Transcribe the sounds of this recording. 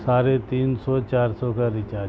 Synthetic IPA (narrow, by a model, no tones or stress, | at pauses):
saːɾet̪iːnsɔt͡ʃaːɾsɔkaɾɪt͡ʃaː